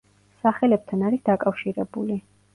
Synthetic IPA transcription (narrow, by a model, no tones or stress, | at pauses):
saχɛlɛp̚t̪ʰanaɾisd̪akʼafʃiɾɛbuli